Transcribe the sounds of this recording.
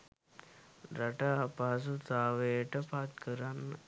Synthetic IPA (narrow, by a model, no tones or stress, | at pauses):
ɾɐʈapas̬ut͡saːʋeːʈɐpat̪̚kəɾanː